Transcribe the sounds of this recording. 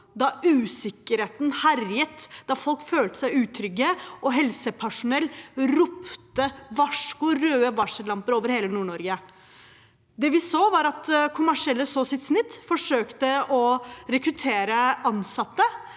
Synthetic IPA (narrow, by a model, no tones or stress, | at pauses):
d̪ɑʉːsɪkːəɾheːt̪nhæɾjət̪d̪̥ɑfɔlkføːlt̪ə̥sæɪʉːt̪ʰɾʏɡːəɔɦɛlsəpʰæʂʊnɛlːɾʊpt̪əʋɑʂkʊɾøːəʋɑʂəlɑmpəɾoːʋəɾheːlənuːɳɔɾɡə | d̪ɛʋɪsoːʋɑɾɑt̪kʰʊmæʂɪɛlːəsoːsɪt̪snɪt̪ːfɔʂøːkt̪əɔɾɛkɾʉt̪ʰeːɾəʔɑnsɑt̪ːə